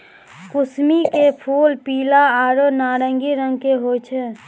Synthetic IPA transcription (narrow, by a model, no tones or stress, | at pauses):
kʊsmikepʰuːlpiːlaaːɾonaːɾəŋɡiɾəŋɡkeɦoːt͡ʃʰɛ